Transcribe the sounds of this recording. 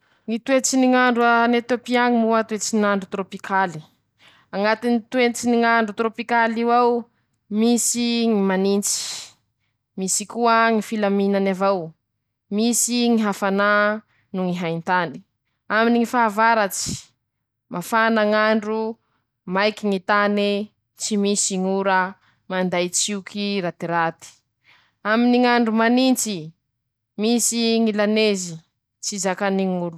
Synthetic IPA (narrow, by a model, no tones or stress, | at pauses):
ŋit̪uet͡siniŋaɳɖ͡ʐanet̪jopiaŋimuat̪wet͡sinaɳɖ͡ʐut̪ɾopikʰali | aŋat̪init̪uet͡siniŋaɳɖ͡ʐut̪ɾopikaliwaw | misiŋimanint͡si̥ | misikuəŋifilaminanavaw | misiŋiɦafana | nuŋiɦajnt̪ani̥ | aminiŋifaːvaɾat͡si̥ | mafanaŋaɳɖ͡ʐu | majkiŋit̪ani | t͡simisiŋuɾa | mand̪ajt͡siukʰiɾat̪iɾat̪i̥ | aminiŋaɳɖ͡ʐumanint͡si | misiŋilanezi | t͡sizakaniŋulu̥